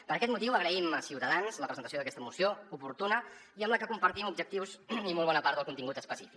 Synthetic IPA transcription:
pəɾəkɛt̪̚mut̪iwəɣɾəiməsiwt̪əðanzləpɾəzənt̪əsjoðəkɛst̪əmusioupuɾt̪unəiəmləkəkumpəɾt̪imubʒək̚t̪iwzimolˠβɔnəpaɾt̪ðəlˠkunt̪iŋɡut̪əspəsifik

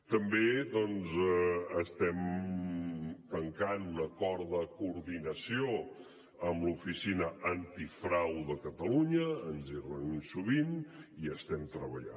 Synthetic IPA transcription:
t̪əmbeðɔnzəst̪ɛm | t̪əŋkanunəkɔɾðəkuɾðinəsio | əmlufisinəʔənt̪ifɾawðəkət̪əluɲəːnzirənuɲsuβiniəst̪ɛmt̪ɾəβəʎa̰

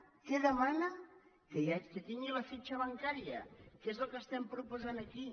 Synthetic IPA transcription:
keðəmanə | kəakət̪iŋɡiləfit͡ʃəβəŋkaɾiəkezəlˠkəst̪ɛmpɾupuzanəki

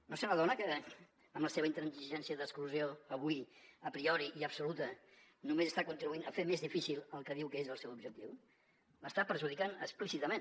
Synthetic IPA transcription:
noseunəðɔnəkə | əmləseβəint̪ɾənsiʒɛnsiəðəskluzioəβ̞uiəpɾiɔɾiʔiəbsulut̪ə | numezəst̪akunt̪ɾiβuinəfemezðifisilˠəlˠkəð̞iwkəezəlˠsɛwubʒək̚t̪iw | ləst̪apəɾʒuð̞ikanə̰ksplisit̪əmen

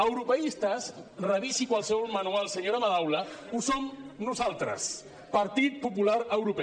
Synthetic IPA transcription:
əwɾupəist̪asrəβisikwalˠsəβɔlmanualˠsəɲoɾamaðawləusomnuzalˠt̪ɾə̰s | paɾt̪it̪̚pupulaɾəwɾupɛ

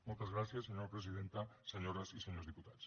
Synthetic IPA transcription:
molt̪azɣɾaθjaseɲoɾapɾes̬ið̞ẽnt̪aseɲoɾasiseɲozðiput̪as

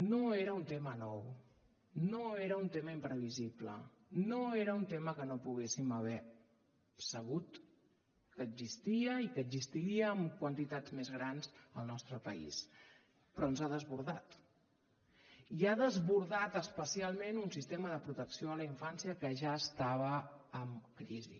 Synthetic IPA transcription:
noeɾəunt̪emənɔw | noeɾəunt̪eməimpɾəβiziplə̰ | noeɾəunt̪eməkənopuɣ̞esiməβ̞ɛ | səɣ̞ut̪ | kədzist̪iəikəzist̪iɾiəːmkwənt̪it̪ad͡zmezɣɾanzəlˠnɔst̪ɾəpəḭs | pɾɔnzaðəzβuɾðat̪ | iaðəzβuɾðat̪əspəsialˠmenunsist̪eməðəpɾut̪əksioələiɱfansiəkəʒaəst̪aβ̞əːmkɾizḭ

